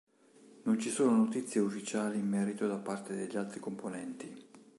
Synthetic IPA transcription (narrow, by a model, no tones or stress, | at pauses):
nont͡ʃisoːnonot̪it̪sːjeufːit͡ʃaːliːmːɛːɾit̪od̪apːart̪ed̪eʎːalt̪ɾikomponɛnt̪i